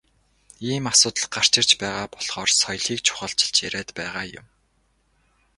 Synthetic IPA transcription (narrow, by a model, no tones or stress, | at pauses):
iːmasʊːt̪ə̆ɮɢar̥t͡ɕɪ̆r̥t͡ɕpæːʁaːpɔɮ̥χɔːrsɔjɮxiːkt͡ɕʰʊ̥χə̆ɬt͡ɕɪ̥̆ɬt͡ɕjæɾæːt̪pæːʁaːjʊ̰m